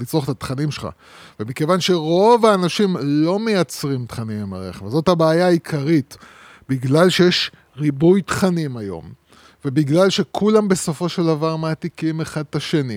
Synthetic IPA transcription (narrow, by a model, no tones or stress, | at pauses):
lit͡sʁoχt̪at̪χanimʃelχa̰ | vemike̞vanʃe̞ʁo̞vaːnaʃimlo̞me̞jat͡sʁimt̪χanimemaʁḛχevzo̞thabeːjaːikʰaʁit | biɡlalʃe̞jeʃ | ʁibujtχanimajo̞̰m | vebiɡlalʃe̞kʰulambe̞so̞fo̞ʃeld̪avaʁmeat̪ikime̞χad̪̚taʃe̞ni